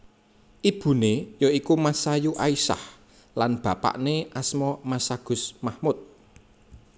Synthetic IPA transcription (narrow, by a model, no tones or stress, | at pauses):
ʔib̥ṳnejɔikumasajuʔaisa̰h | lanb̥ä̤pa̰ʔneʔasmɔmasaɡ̥ʊ̤smahmʊt̪̚